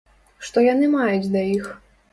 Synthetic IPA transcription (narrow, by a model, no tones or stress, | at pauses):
ʂt̪ɔjanɨmajud͡zʲd̪ɐix